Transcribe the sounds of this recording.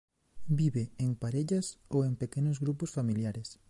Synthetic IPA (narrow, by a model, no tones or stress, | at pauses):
biβeeŋpaɾeʎɐsoempekenʊzɣɾupʊsfamiljaɾes